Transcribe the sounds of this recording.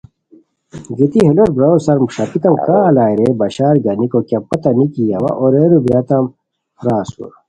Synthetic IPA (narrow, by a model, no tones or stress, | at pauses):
ɡit̪iɦeloɾbɾɐosɐɾmʂɐpit̪ɐmkaːlaːjɾebɐɕaːɾɡɐnikokɐpɐt̪ɐnikiɐwa̰ʔoɾeɾubɾɐt̪ɐm | ɾaːsṵɾ